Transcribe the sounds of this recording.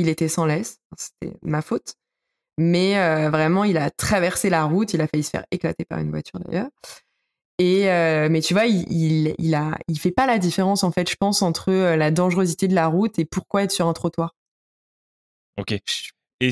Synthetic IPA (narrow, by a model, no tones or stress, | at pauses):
ilet̪ɛsɑ̃lɛsfɛ̃se̥t̪ɛ̰mafot̪ | mɛøvʁɛmɑ̃ilat̪χavɛʁselaʁut̪ilafaysə̥fɛ̰ʁekla̰t̪epa̰ʁy̰nvwa̰t̪ʰyʁd̪a̰jœːʁ | eømɛt̪yvwaililḭlailfɛpalad̪ifeʁɑ̃sɑ̃fɛt̪ʒ̥əpɑ̃sɑ̃t̪χəølad̪ɑ̃ʒʁøzit̪ed̪əlaʁut̪epuʁkwaɛt̪syʁɛ̃t̪χot̪waːʁ | okʲe | e